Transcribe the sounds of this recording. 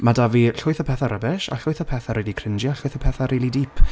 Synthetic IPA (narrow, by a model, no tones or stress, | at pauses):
madaviɬʊɨθɔpʰɛθaɾəbɛʃa̰ɬʊɨθɔpʰɛθaɾiːlˠikʰrɪnd͡ʒjaɬʊɨθɔpʰɛθaɾilˠidiːpʰ